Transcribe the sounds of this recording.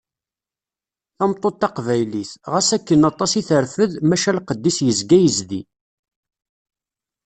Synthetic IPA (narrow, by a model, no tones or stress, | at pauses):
θæmt̪ˤːot̪ːɑqvæjliθʁasækːənɑt̪ˤɑsiθəɾfəðmæʃælqəd̪ːisjəzɡæjəzðḭ